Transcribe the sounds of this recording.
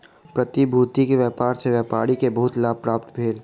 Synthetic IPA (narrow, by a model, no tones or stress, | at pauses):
pɾɐt̪ibʱuːt̪ikeʋɛːpaːɾseʋjɛːpaːɾikebɐɦʊt̪laːb̚pɾaːp̚t̪bʱeːl